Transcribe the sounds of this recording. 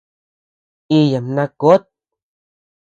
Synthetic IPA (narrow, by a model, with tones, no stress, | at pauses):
i˧ja˨mnã˧ko˦t̪̚